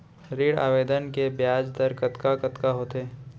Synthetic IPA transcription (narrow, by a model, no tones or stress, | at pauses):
ɾiːɽa̰ːʋeːd̪ənkebjaːd͡ʒd̪əɾkɐt̪kakɐt̪kaɦoːt̪eː